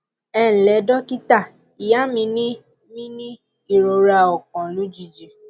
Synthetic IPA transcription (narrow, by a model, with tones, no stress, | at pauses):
ɛ̃˦˨lɛ˨˦dɔ˦ki˦ta˦˨ | i˨ja˨˦mĩ˧˦nĩ˦ | mĩ˦nĩ˦ | i˦˨ɾo˧ɾa˧ɔ˨k̚ɔ̃˨lũ˨˦d͡ʒi˧˦d͡ʒi˨